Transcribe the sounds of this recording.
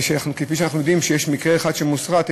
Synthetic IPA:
ʃanaχnukefiʃeanaχnujo̞d̪imʃejeʃmikʁeːχad̪ʃemusʁat̪

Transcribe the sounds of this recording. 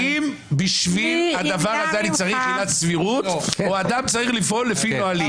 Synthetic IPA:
im | biʃvilad̪avaʁhazealit͡saʁiχinat̪sviʁutoad̪amt͡saʁiχlifolːefinoali

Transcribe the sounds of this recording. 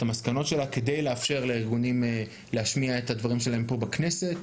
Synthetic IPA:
tamaskano̞tʃe̞lake̞dejleafʃe̞ʁleiʁɡunim | leaʃmiaetad̪vaʁimʃe̞lae̞mpo̞bakne̞se̞t

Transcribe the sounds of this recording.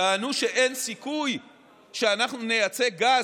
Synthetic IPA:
aːnuʃe̞ʔensikuj | ʃeanaχnunejat͡se̞ɡa

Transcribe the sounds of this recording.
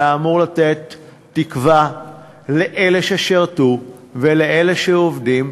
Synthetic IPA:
aːmuʁlat̪et̪ː | ikva | leʔeleʃeʃeʁtuveleele̞ʃeovdim

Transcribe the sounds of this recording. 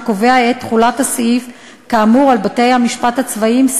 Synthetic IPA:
ko̞ve̞aet̪ːχulathasif | kaːmuʁalbate̞jhamiʃpathat͡svaims

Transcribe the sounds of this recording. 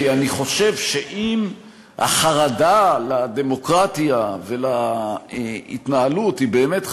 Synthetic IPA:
aniχo̞ʃe̞vʃe̞ʔim | ha̰χaʁadalade̞mo̞kʁatjavela | ḭt̪naaluthibe̞ːmet

